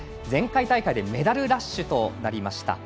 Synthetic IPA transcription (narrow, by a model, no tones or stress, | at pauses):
d͡zẽ̞ŋkait̪aikaid̪e̞me̞d̪aɾɯ̟ɾaɕːɨt̪o̞naɾʲimaɕi̥t̪a̰